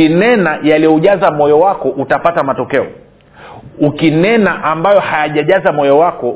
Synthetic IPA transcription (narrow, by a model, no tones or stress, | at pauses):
inɛnajaliɔʄazamɔjɔwakɔʔutapatamatɔkɛɔ | ukinɛnaʔambajɔhajaʄaʄazamɔjɔwakɔ